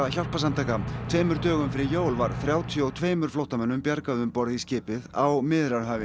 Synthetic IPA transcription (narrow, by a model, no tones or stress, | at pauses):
çawl̥pas̬amt̪ʰajkat̪ʰveːjmʏɾ̥t̪œːɣʏmfɪɾɪjoːwlvaɾ̥θɾjaːwt̪ʰjɔwt̪ʰveːjmʏɾ̥flowht̪amɛnːʏmpjaɾkaðʏmpɔɾðɪiscɪːpɪðawmɪðɾaɾ̥ɦœːvɪ